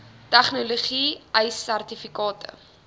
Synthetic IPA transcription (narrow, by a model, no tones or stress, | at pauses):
tɛχnoloχiʔəjsːærtifikɑːtə̰